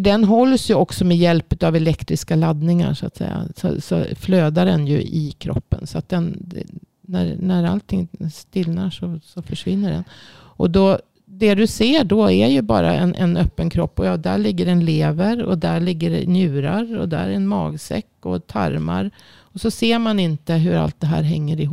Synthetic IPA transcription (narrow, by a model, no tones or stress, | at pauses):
ɖ̪ɛnɦɔlːsjɵɔksɔmɛjɛlpʉt̪avɛlɛkt̪ɾɪskalad̪nɪŋa̰ʂʊat̪sɛ̰jːa̰sɔ̰sɔ̰fløːd̪aɖɛnjɵ̰ʔɪkʰɾɔ̰pːənsɔat̪̚d̪ɛnd̪ɛ | næɾnæɾa̰lt̪ʰɪŋst̪ɪlnaʂɔsɔfœʂvɪnːəɖɛ̰n | ʔɔd̪ɔ | d̪ɛd̪ɵseːɖɔæɾjɵbɑ̰ːɾaɛnʔɛnœpːənkʰɾɔpːɔjɑːd̪æɭɪɡːəɾɛnleːvəɾɔ̰d̪æɭɪɡːəɾnjʉ̟ːɾaɾɔ̰d̪æ̰ɾɛnmɑːɡsɛ̰kːɔt̪ʰaɾmaɾ | ɔsɔseːɾmanɪnt̪əɦɵɾa̰lt̪̚d̪ɛɦæ̰ːɾɦɛŋːəɾɪɦ